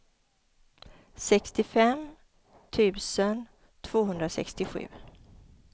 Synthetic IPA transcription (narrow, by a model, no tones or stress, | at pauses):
sɛkst̪ɪfɛm | t̪ʰʉ̟ːsən | t̪ʰv̥oːɦɵnd̪ɾasɛ̰kst̪ɪɧʉ̟̰ː